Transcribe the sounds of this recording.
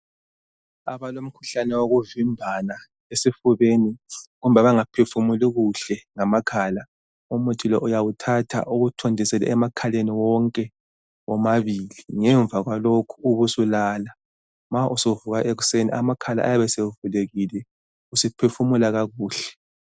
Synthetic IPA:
a̰βalom̩kʰu̥ɬanɛwoɣuvimbʱana | esifuβeniɣum̩baβaŋapʰefumuliɣuɬɛŋamakʰaːla | umutʰilɔʔujawutʰatʰa̰ʔuɣutʰondʱisɛlɛ̰ɛmakʰaleniwɔŋkʼɛ | wɔmaβiliŋɛɱb̪vʱaɣwalokʰuːβusulala | maʔusovuɣaʔeɣuseniamakʰala̰ʔajaβɛseuvuleɣilɛ | usipʰefumulaɣaɣuːɬɛ̥

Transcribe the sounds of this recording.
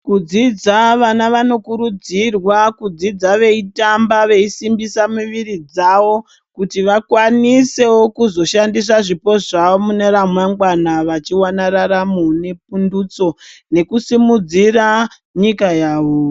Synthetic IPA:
kud͡zid͡zaʋanaʋano̞kuɾud͡zirwakud͡zid͡zaʋe̞itambaʋe̞isimbisamiʋiɾid͡zaʋo̞ | kutiʋakwanise̞wokuzo̞ʃandis̬aʐipo̞ʐaʋomune̞ɾamwaŋɡwanaʋat͡ʃiwanaɾaɾamune̞p̚undut͡so̞ne̞kusimud͡zira | ɲikajaːʋo

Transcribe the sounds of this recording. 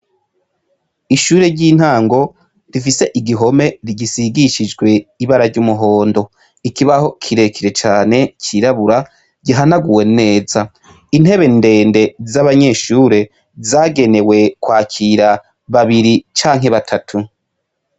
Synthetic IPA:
iʃuːɾe̞ɾɟiːn̥haːŋɡo̞ | difise̞ʔiɡiɦo̞me̞ɾiɟisiɡiʃid͡ʒɡwe̞iβaɾaɾɟumuɦo̞ːndo̞ | ikiβaho̞kʰiɾe̞kiɾe̞t͡ʃaːne̞cʰiɾaβuɾa | ɟiɦanaɡuwe̞ne̞ːza | in̥he̞βe̞nde̞ːnde̞zaβaɲe̞ʃuːɾe̞ | zaːɡe̞newe̞kwaːcʰiɾa | βaβiɾit͡ʃaːŋ̥ɦe̞βatʰatʰu

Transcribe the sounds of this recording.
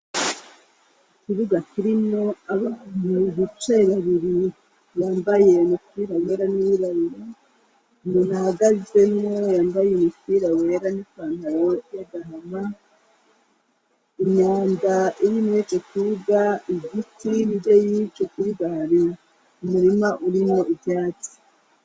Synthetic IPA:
ikiβuɡakiɾino̞aβanuβut͡ʃeβaβiɾi | jaːmbajenukiːɾawe̞ːɾaniwiɾaβiɾi | nunahaɡaze̞mŋo̞jaːmbajenukiɾawe̞ːɾanikaːnawoteɡaɦama | iɲaːndaiɾimet͡ʃekuɡaiɡitinidejiːt͡ʃukuiβaɾi | umuɾimaʔuɾimo̞ibjaːt͡si̥

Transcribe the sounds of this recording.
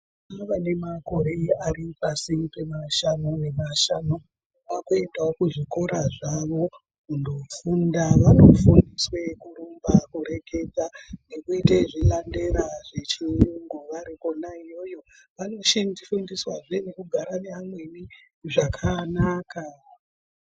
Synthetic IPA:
aʋane̞mako̞ɾe̞iaripasipe̞maʃanoʋe̞maʃano | ʋakoitaokuʐiko̞ɾaʐaʋo̞ | kundofundaʋano̞fundiswe̞kuɾumbakuɾe̞ke̞d͡zanekuiteʐilande̞ɾaʐe̞t͡ʃiruŋɡoʋaɾikonaijo̞jo̞ | ʋano̞ʃandifundiswaʐe̞nekuɡʱaɾane̞amwe̞ni | ʐakʰanaːka

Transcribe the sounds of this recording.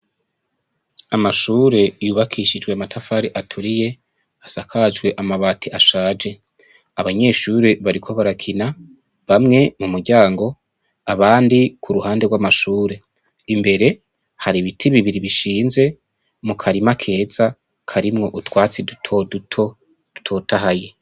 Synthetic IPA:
amaʃuːɾe̞juːβakʰiʃid͡ʒɡweamatʰafaːɾiʔatʰuɾije̞ | asakʰad͡ʒɡwe̞ʔamaβaːtʰiʔaʃaːd͡ʒe̞ | aβaɲe̞ːʃuɾeβaɾikʰo̞βaɾakʰina | βamŋe̞mumuɾɟaːŋɡo̞ | aβaːndikʰuɾuhaːndeɡwamaʃuːɾe̞ | imbe̞ɾe̞ | haɾiβitʰiβiβiɾiβiʃiːnze̞ | mukʰaɾimakʰe̞ːz̥a | kʰaɾimŋo̞ʔutwaːt͡sidutʰodtʰo | d̥utʰo̞ːtaɦaje̞

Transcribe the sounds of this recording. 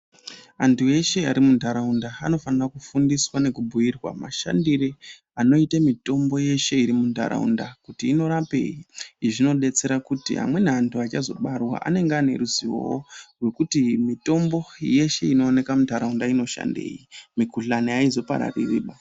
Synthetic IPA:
antue̞ʃe̞aɾimundʱaɾaundaano̞fanirakufundiswane̞kubʱujirwa̰ma̰ʃa̰ndiri | ano̞itamito̞mbo̞je̞ʃe̞iɾimunda̰ɾa̰ṵndakutiːno̞ɾape̞̰jiiʐino̞ɗe̞t͡se̞ɾakutḭɦa̰mwe̞neantʰuat͡ʃazo̞̰ɓarwa̰ʔa̰ne̞ŋɡeane̞̰ɾuziwo̰worwe̞kutimito̞mbo̞je̞ʃe̞ino̞ːne̞kamundʱaɾaundaino̞ʃa̰nde̞̰ːjimikuɬaneaizo̞pa̰ɾa̰ririːɓa

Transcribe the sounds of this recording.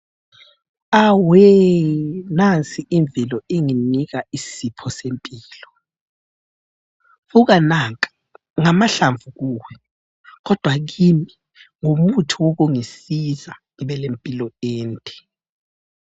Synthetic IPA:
awɛ | nant͡sʼiʔiɱb̪vʱilɔiŋinik̬aisipʰɔsempʼiːlɔ | fuk̬anaŋkʼḁ | ŋamaɬaɱvuk̬uːwɛ | k̬ɔd̥ʱwak̬imi | ŋomutʰuwok̬uŋisizaŋiɓɛlempʼilɔeːntʼɛ̥

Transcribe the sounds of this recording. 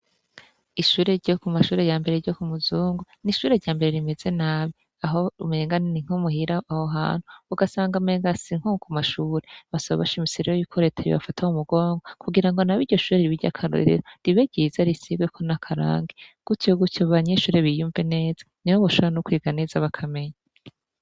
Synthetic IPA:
iʃuːɾe̞ɾɟokumaʃuːɾe̞jaːmbe̞ɾeɾɟokumuzuːŋɡoniʃuːɾe̞ɾɟaːmbe̞ɾe̞ɾime̞ze̞naːβi | aɦome̞ːŋɡanniŋ̥homuhiɾaahoɦa̰ːn̥huuɡasaːŋɡame̞ːŋɡasiŋhokumaʃuːɾe̞βasaβa̰βaʃimisiɾeɾojikʰoɾe̞ːtʰajḭβa̰fatʰaumuɡo̞ːŋɡokʰuɡiɾaŋɡo̞naβiːɾɟo̞ʃuːɾeɾiβiɾɟa̰kʰaɾo̰ɾḭɾoɾiβeɟizaɾisiβɡekʰo̞nakʰaɾa̰ːŋɡeɡ̥utjoɡutoβaɲeʃuːɾe̞βijuːɱvene̞ːz̥ḁniwoβoʃoβɾanokwiːɡane̞ːzaβakʰame̞ɲa

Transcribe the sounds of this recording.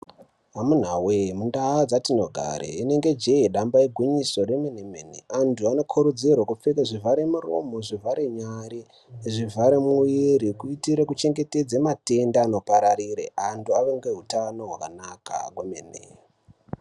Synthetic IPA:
ɦamun̤awemundaad͡zatinoɡʱa̰ɾḛine̞ŋɡe̞d͡ʒeiɗambaeɡʱwiɲiso̞ɾemenemenḛantʰuano̞kʰuɾud͡zirwakup͡fekaʐivʱaɾemuro̰moʐivaɾeɲaɾi | ʐivʱaɾemuiɾikuitiɾekut͡ʃe̞ŋɡe̞ted͡zemate̞ndaːno̞paɾaɾiɾḛʔantuaʋeŋɡe̞ɦutano̞ɦwakanaka̰kwemenḛ

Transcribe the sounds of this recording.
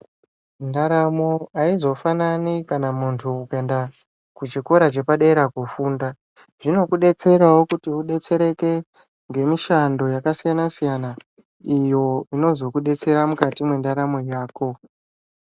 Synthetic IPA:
ndaɾamoaizo̞fananikanamuntʰuːke̞nda | kut͡ʃiko̞ɾat͡ʃe̞paɗeɾakufuːnda | ʐino̞kuɗe̞t͡se̞ɾawo̞kutiuɗe̞t͡se̞ɾe̞ke̞ | ŋɡe̞miʃando̞jakasijanasijana | ijo̞ino̞zo̞kuɗe̞t͡se̞ɾamukatimwe̞ndaɾamo̞jaːko̞

